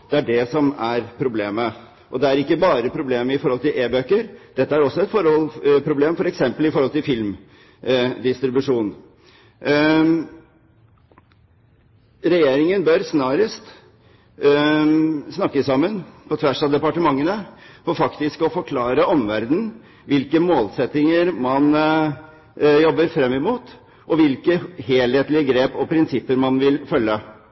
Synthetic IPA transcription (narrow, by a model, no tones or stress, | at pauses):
d̪̥ɛæɖɛsɔmæɾpʰɾʊbleːmə | ʔɔd̪ɛæɾɪkːəbɑːɾəpʰɾʊbleːməɪfɔɾhɔlt̪ɪlʔeːbøːkəɾd̪̥ɛt̪ːəæɾɔsːɔɛt̪fɔɾɔlpʰɾʊbleːmfɔɾɛksɛmpəlɪfɔɾhɔlt̪ɪlfɪlm | d̪ɪst̪ɾɪbʉʂuːn | ɾɛjeːɾɪŋənbœɾsnɑːɾəst̪ | snɑkːəsɑmːənpʰɔt̪ʰʋæʂɑd̪ɛpɑʈəmɑŋːənəfɔfɑkt̪ɪskɔfɔɾkʰlɑːɾəɔmʋæɾd̪n̩ | ʋɪlkəmoːlsɛt̪ɪŋəɾmɑn | jɔbːəɾfɾɛmːɪmuːt̪ | ʔɔʋɪlkəheːlheːt̪lɪəɡɾeːpɔpʰɾɪnsɪpːəɾmɑnʋɪlfœlːə